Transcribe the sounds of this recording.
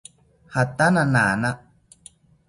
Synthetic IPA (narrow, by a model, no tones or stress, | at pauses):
hat̪anãnanã